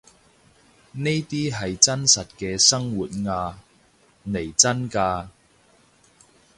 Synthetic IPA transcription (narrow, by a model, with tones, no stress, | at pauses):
ne˥jt̪iː˥ɦɐ˨jt͡sɐ˥nsɐ˨t̚kɛː˧sɐ˥ŋwuː˨˩t̚ŋaː˧ | ne˨˩jt͡sɐ˥nkaː˧